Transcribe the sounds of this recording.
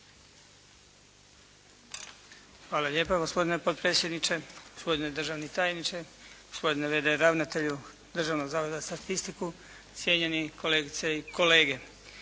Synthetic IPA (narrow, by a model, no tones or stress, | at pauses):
xʋaːlaʎeːpoɡospo̞d̪inepot̪̚pɾet̪sje̞d̪nit͡ʃe̞ɡ̥ospo̞d̪ined̪r̩ʒaʋnit̪aːjenit͡ʃeɡ̥ospo̞d̪ineʋed̪eɾaʋnat̪e̞ʎu | d̪r̩ʒaːʋnoɡzaːʋo̞d̪ast̪at̪ist̪iku | sjeɲenikʰo̞leːɡit̪seiko̞le̞ːɡe̞